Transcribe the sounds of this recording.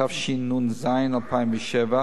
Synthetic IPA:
afʃinːunzaɪnalpʰaɪmvəʃɛva

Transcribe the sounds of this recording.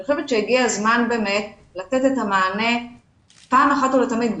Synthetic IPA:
ʃevetʃejiɡiazmanbe̞ːme̞t̚ | late̞tethamaːne̞ | paːmaχat̪ulet̪amid̪

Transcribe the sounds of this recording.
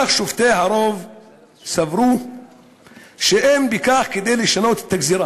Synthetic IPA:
aχʃuvt̪ejɦaɾo̞v | savɾu | ʃeʔembikaχked̪e̞jleʃano̞t̪e̥t̪ːaɡziɾa

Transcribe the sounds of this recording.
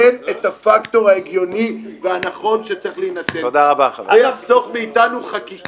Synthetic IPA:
enet̪hafakt̪o̞ʁaeɡjo̞niveanaχo̞nʃet͡seχlejnat͡seod̪aʁabaχavajaχzo̞ʁmeitanuχaki

